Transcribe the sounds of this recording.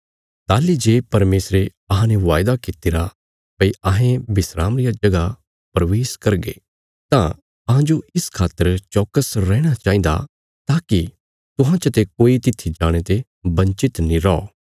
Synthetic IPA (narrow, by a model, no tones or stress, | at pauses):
t̪aːlid͡ʒeːpɐɾmeːsɾe | ɐɦãneʋaːjd̪akɪt̪ɪɾa | pɐiʔɐɦẽbɪsɾaːmɾɪjad͡ʒɐɡa | pɐɾʋeːskɐɾɡḛ | t̪ã̰ | ɐɦãd͡ʒoɪskʰaːt̪ːəɾt͡ʃɔːkəsɾɛːɽ̃at͡ʃaːĩnd̪a̰ | t̪aːki | t̪ʊɦãt͡ʃət̪ekoːit̪ɪt̪ʰːid͡ʒaːɽ̃et̪e | bɐ̃ɲt͡ʃɪt̪nĩɾɔɔ̰